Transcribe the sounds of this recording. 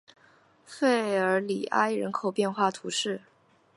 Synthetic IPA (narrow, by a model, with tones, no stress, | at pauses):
fe˥˩ɪə˞˧˥li˨˩ʔa̰˥ɪɻə˧˥nkʰo˨˩ʊpjɛ˥˧nxwa˥˩t̪ʰu˧˥ʂɻ̩˥˩